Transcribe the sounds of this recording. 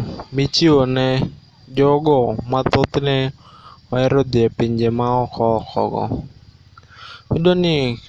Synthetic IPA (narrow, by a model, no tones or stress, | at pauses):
mit͡ʃiɔnɛ | d͡ʒɔɡɔmat̪ot̪inɛ | waɛɾɔd̪iapiɲd͡ʒɛmaɔkʰɔkɔ̰ɡɔ̰ | idɔni